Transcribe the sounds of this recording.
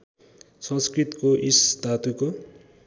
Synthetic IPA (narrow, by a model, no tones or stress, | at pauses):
sʌ̃nskrit̪koʔist̪at̪uko